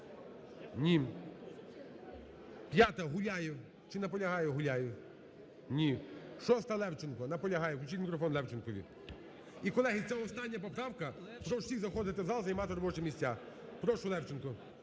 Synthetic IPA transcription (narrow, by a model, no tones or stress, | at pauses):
nʲi | pʲjat̪ɐɦʊlʲajʊ | t͡ʃɪnɐpɔlʲɐɦɑjɛɦʊlʲajʊ | nʲiʃɔst̪ɐlˠɛwt͡ʃɪnkɔnɐpɔlʲɐɦɑjɛklʲʊt͡ʃilʲmʲikɾɔfɔnlɛwt͡ʃɪnkɔʋʲḭ | ikɔlˠɛɦʲisʲɛɔst̪ɑnʲːɐpɔpɾɑwkɐ | pɾɔwsʲizɐxɔd̪ɪt̪ɪzɑlˠzɐjmɑt̪ɪɾɔbɔt͡ʃɛmʲisʲt͡sʲa | pɾɔʃʊlˠɛwt͡ʃɪnkʊ